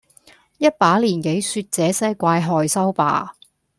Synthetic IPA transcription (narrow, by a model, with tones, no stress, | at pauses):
jɐ˥t̚paː˨˥liː˨˩nke˨˥jsyː˧t̚t͡sɛː˨˥sɛː˥kʷaː˧jɦɔː˧jsɐ˥wpa̰ː˨˧